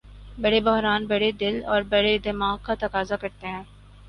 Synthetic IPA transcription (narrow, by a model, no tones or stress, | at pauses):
bɐɽebʊɦɾaːnbɐɽed̪ɪlɔːɾbɐɽed̪ɪmaːɡ̚kat̪ɐkaːzakɐɾt̪eɦɛ̃ː